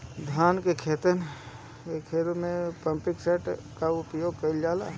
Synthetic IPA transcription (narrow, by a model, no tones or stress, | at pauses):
d̪ʱaːnkekʰeːt̪ən | ekʰeːɾumẽpə̃mpɪkseːʈ | kaʊpjoːɡ̚kəɪld͡ʒaːlaː